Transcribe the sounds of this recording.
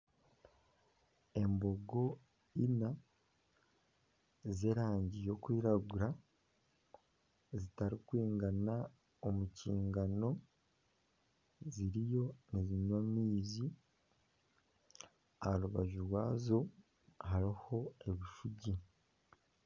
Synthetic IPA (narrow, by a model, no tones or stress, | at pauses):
e̞mbo̞ɡo̞ | ina | zeːɾaːɲɟijo̞kwiːɾaɡuɾa | zitaɾikwiːŋɡana | omuciːŋɡano̞ | ziɾijo̞neziɲwamiːzi | aɾuβaʒuɾwaːzo̞ | haɾiho̞e̞βiʃuɟi